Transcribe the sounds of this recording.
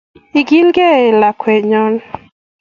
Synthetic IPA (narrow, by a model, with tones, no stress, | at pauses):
i˨ɡi˦lɡe˦ɪ˨la˨kwe˨ɲɔ˦n